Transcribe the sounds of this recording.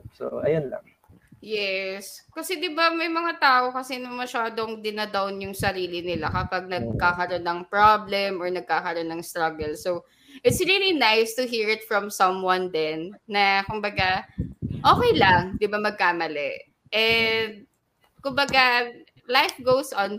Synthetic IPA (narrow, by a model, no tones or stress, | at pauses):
so̰ʔɐ̰jonlɐ̰ŋ | jɛskɐsɛd̪ɪbamɐjmɐŋat̪aːʔo̞kɐsɛnɐmɐʃaːd̪oŋd̪ɪnɐd̪awnjʊŋsɐɾiːlɪnɪlakɐpɐɡ̚nɐɡ̚kakɐɾonːɐŋpɹablɛmʔɔɹnɐɡ̚kaːkɐɾo̞nːɐŋst̪ɾɐɡɛlsow | ʔɪt̪sɹiːlinajst̪ʊɦiːɹɪt̪fɹɐmsɐmwɐnd̪ɛnːɐkʊmbɐɡa | ʔoːkɛjlɐŋd̪ɪbamɐɡ̚kaːmɐlɛ | ʔɛnd̪̚ | kʊmbɐɡa | lajfɡowsʔɔn